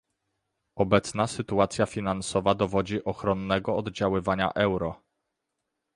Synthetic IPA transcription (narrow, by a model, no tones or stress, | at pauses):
ɔbɛt̪snasɘt̪uat̪sʲjafʲinansɔvad̪ɔvɔd͡ʑiʔɔxɾɔnːɛɡɔːd̪d͡ʑawɘvaɲa̰ʔɛwɾɔ